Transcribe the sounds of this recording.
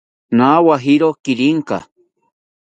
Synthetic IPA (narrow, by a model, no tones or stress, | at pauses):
nawaɦiɾokiɾiŋka̰